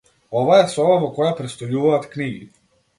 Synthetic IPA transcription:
ɔvaɛsɔbavɔkɔjapɾɛt̪st̪ɔjuvaːt̪kniɡi

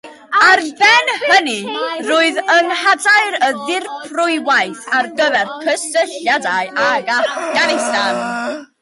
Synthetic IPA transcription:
arbɛnhənirʊːɨðəŋhadaɨɾəðɪrpʰrʊɨwajθarɡəvɛrkʰəstəɬjadaɨʔaɡatɡ̥anɪjstan

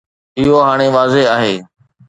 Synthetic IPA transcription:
ɪɦoɦaːɽ̃eːʋaːzeɦaːɦeː

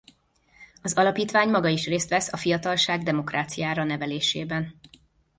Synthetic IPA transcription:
ɒzɒlɒpiːt̪ʋaːɲmɒɡɒiʃreːst̪ʋɛsɒfijɒt̪ɒlʃaːɡd̪ɛmo̞kraːt̪sijaːɾɒnɛvɛleːʃeːbɛn

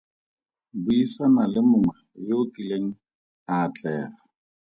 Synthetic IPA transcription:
bʊisanalɪmʊmajeʊkʼileŋ̩ | at͡ɬʼɛːra

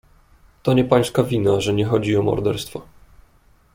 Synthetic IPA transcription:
t̪ɔɲɛpaj̃skavʲinaʐɛɲɛxɔd͡ʑiɔmɔ̰ɾd̪ɛɾst̪fɔ

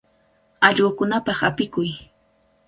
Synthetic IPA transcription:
ɑʎoːkʊnapɑχapɪkʊj

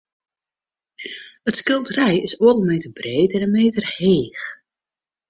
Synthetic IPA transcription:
ətskɪlˠdərɛjɪsoədəlˠmeːtərbreːtɛnənmeːtərheːx

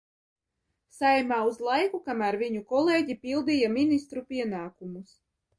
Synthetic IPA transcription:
sajmaːuzlˠajkukamæɾviɲukɔleːɟipʲilˠd̪ijamʲinist̪ɾupʲiɛnaːkumus

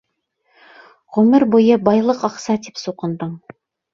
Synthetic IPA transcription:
ʁʉmɘɾbujɤbɑjlˠɤqɑqsɑt̪ipsuqɤ̆nd̪ɤm

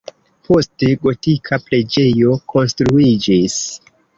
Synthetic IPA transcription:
pʰo̞steɡo̞tikʰapɾe̞d͡ʒe̞jo̞kʰo̞nstɾuid͡ʒis

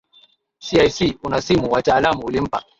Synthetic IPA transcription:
siajsiunasimuwataːlamuulim̩pa̰

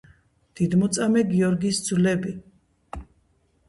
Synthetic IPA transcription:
d̪̥id̪mɔt̪sʼamɛɡiɔɾɡisd̪zlɛbi

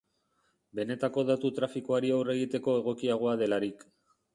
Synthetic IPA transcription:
be̞ne̞t̪ako̞ðat̪ut̪ɾafikoaɾiawre̞ɣ̞it̪e̞ko̞e̞ɣ̞o̞kiaɣ̞o̞að̞e̞laɾik

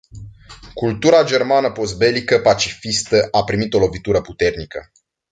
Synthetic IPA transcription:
kult̪uɾad͡ʒe̞rmanəpo̞s̚be̞likəpat͡ʃifist̪əʔapɾimit̪o̞lo̞vit̪uɾəput̪e̞rnikə̰

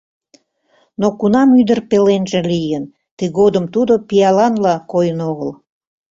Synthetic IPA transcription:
nokunɑmyd̪ərpelenʒĕlijən | t̪əɣod̪əmt̪ud̪opijɑlɑnlɑkojənoɣəl

